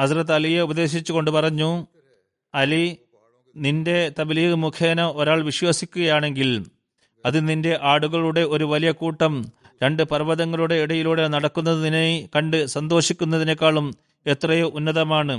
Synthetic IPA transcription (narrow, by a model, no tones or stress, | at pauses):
ɐsrɐt̪ːɐlijeubɐðe̞ːɕ̬it͡ɕːuko̞ɳɖɨpɐrɐɲːu | ɐli | ninde̞t̪ɐbilijɣɨmukʰjeːnɐo̞ɾaːɭʋiɕwasikʲːuɣɐjaːɳe̞ŋɡil | ɐðininde̞ʔaːɽuɣɐɭuɽe̞o̞ɾuʋɐlijɐkuːʈːɐm | ɾe̞ɳɖɨpɐrʋɐðɐŋːɐɭuɽe̞iɽɐjiluːɽe̞nɐɽɐkːunːɐðɨninekɐɳɖɨsɐnd̪o̞ːʂikʲːunːɐðinɐkʲːaːɭum | e̞t̪rɐjuʔunːɐðɐmaːɳɨ